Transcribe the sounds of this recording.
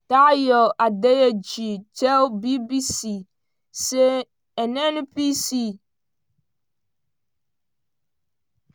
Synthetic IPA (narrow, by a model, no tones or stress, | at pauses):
tajɔʔadɛjɛd͡ʑit͡ʃʰɛlbibisi | sɛ | ɛnɛ̃nʊ̃pisi